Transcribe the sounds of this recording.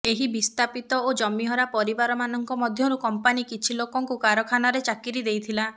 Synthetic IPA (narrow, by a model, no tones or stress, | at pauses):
eɦibist̪ʰapit̪ɔod͡ʒɔmiɦɔɾapɔɾibaɾɔmanɔŋkɔmɔd̪ʱjɔɾukɔmpanikit͡ʃʰilokɔŋkukaɾɔkʰanaɾet͡ʃakiɾid̪ejt̪ʰila